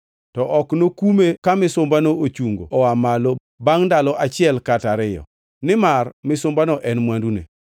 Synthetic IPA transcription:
tɔʔɔknokumekamɪsʊmbanoot͡ʃuŋɡo̰ɔamalo | baŋdalɔʔat͡ʃɪɛlkataɾɪjɔ̰ | nɪmarmɪsʊmbanɔʔɛnmwandunḛ

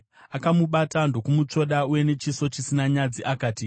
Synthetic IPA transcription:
akamuɓatando̞kumut͡ʃo̞ɗauje̞ne̞t͡ʃiso̞t͡ʃisinaɲad͡ziʔakaːti

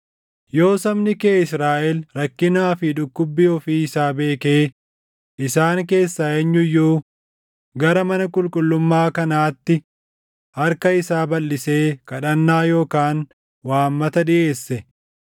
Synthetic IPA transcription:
jo̞ːsɐmnɪkeːɪsɾaːʔɛlɾɐkːɪnaːfɪᶑʊkːʊbːɪjoːfiːɪsaːbe̞ːkeː | ʔɪsaːŋke̞ːsːaːɛɲːʊjːuː | ɡɐɾɐmɐnɐkʼʊlkʼʊlːʊmːaːkɐnaːt̪ːɪ | hɐɾkɐɪsaːbɐlːɪse̞ːkɐᶑɐnːaːjo̞ːkaːn | waːmːɐt̪ɐᶑɪʔe̞ːsːɛ

